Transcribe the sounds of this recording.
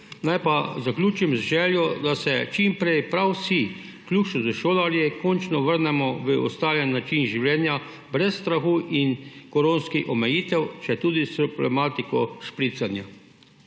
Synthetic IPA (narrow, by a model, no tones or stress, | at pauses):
najpazaklʲuːt͡ʃimzʒɛːljɔd̪asɛt͡ʃimpɾejpɾawsi | klʲuːʃɔzəʃoːlaɾjɛkɔnt͡ʃnɔʋəɾnɛmɔʋəɔ̰st̪aːlɛnːat͡ʃinʒiwlɛːnja | bɾɛsːt̪ɾaxuːʔinkɔɾoːnskixɔmɛjiːt̪ɛwt͡ʃɛt̪uːd̪isɔblɛ̰maːt̪ikɔʃpɾit̪sanja